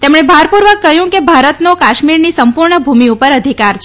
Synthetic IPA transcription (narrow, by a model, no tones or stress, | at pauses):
t̪emɳ̃ebʱaɾpuɾʋəkːəɦjũkebʱaɾət̪nokaʃmiɾnisəmpuɾɳəbʱumiupəɾəd̪ʱikaɾt͡ʃʰ